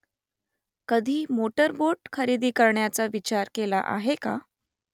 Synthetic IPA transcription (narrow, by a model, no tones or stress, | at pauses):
kəd̪ʱiːmoʈəɾboʈkʰəɾiːd̪iːkəɾɳjat͡saʋit͡ɕaɾkela̰ʔa̰ɦeka̰